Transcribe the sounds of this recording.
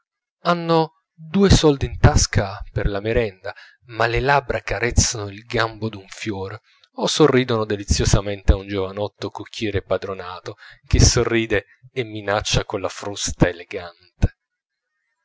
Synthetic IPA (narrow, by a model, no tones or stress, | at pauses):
anːo | d̪uːesɔld̪int̪askʰaperlameɾɛnd̪a | malelabɾakaɾɛt̪sːanoilɡambod̪uɱfjɔːɾ | osorːiːd̪onod̪elit̪sːjosament̪eaund͡ʒovanɔt̪ːokukʰːɛːɾepad̪ɾonaːt̪ok̟esːorːiːd̪eː | mːinat͡ʃːakolːafɾust̪aeleɡant̪e̥